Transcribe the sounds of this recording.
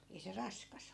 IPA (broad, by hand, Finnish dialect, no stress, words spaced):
ei se rɑskɑs